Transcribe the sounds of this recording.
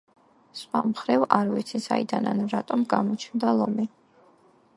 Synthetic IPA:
swamχɾɛvaɾvit̪sʰisaid̪ananɾat̪ʼɔmɡamɔt͡ʃʰnd̪alˠɔmi

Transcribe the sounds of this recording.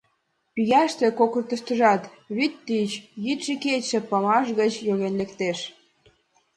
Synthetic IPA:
pyɣæʃt̪ĕkokə̆rt̪ə̆ʃt̪ə̆ʒɑt̪ | βit̪ːit͡ɕjit̪ʃiket͡ɕːĕpɑmɑʃɣət͡ɕjoɣenlekt̪eʃ

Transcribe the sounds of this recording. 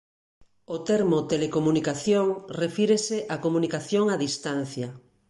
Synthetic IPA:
ot̪ɛɾmot̪elekomunikaθjoŋrefiɾeseʔakomunikaθjoŋaðist̪an̟θjɐ

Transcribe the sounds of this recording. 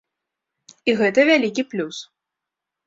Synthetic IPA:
iɣɛt̪ɐvʲalʲikʲiplʲus

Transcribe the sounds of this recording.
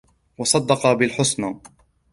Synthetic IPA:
wɑsˤɑd̪ːɑqɑbɪlħʊsnaː

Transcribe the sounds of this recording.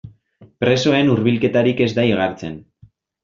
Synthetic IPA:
pɾe̞so̞e̞nuɾβilke̞t̪aɾike̞zd̪aiɣ̞aɾt͡se̞n

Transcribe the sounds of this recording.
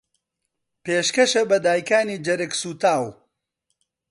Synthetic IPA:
peːʃkɐʃɐbɐd̪aːjkaːniːd͡ʒɐɾɨksuːt̪aːw

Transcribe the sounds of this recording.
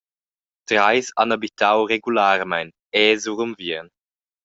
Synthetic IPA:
tɾajsanabitʰawɾeɡulaːɾmajn | ɛːzuʁumviən

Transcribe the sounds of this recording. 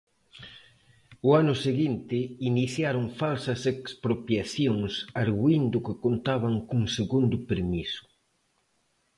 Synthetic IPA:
ʊanʊseɣint̪ɪiniθjaɾʊŋfalsɐsekspɾopjaθjoŋsaɾɣuind̪ʊkɪkont̪aβaŋkuŋseɣund̪ʊpeɾmisʊ̥

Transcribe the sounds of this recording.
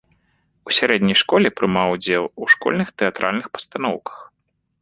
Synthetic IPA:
usʲaɾɛd̪ʲnʲɐjʂkɔlʲɛpɾɨmawud͡zʲɛlˠuʂkɔ̰lʲnɨxt̪ɛat̪ɾʔa̰lʲnɨxpɐ̥st̪an̪ɔwkɐ̥x

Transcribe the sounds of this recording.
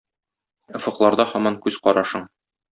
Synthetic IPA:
ŏfɤ̆qlˠɑɾd̪ɑhɒmɑŋkʉzqɒɾɑʃɤɴ

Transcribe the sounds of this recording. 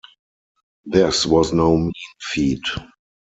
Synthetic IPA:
ðɪswɔznoʊmĩnfiːt

